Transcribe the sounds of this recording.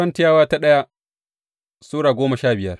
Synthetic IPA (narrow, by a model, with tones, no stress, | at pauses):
ɐ˦ntɪ˦jaː˦waː˦ta˦ɗɐ˦ja˦ | suː˦ɽaː˨ɡʷoː˦mɐ˨ʃaː˦bɪ˨jɐ˦r